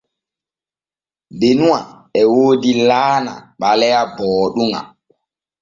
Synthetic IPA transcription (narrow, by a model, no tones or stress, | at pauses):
benuwa | ɛwoːdilaːna̰ɓalɛjabɔːɗuŋa̰